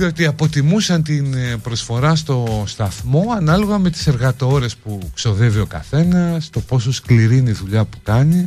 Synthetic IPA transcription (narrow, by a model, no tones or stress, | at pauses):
ðio̞t̪iɐpo̞t̪imusɐnt̪inpɾo̞sfo̞ɾɐst̪o̞st̪ɐθmo̞ɐnɐlo̞ɣɐme̞t̪i̥se̞ɾɣɐt̪o̞ɾe̞spukso̞ðe̞vio̞kɐ̰θe̞nɐst̪o̞po̞so̞skliɾineiðuʎɐpu̥kɐni